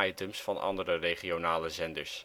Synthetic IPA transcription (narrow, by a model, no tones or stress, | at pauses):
ɑjtəmsfɑnɑ̰ndərərejχionaːləzɛndəɹs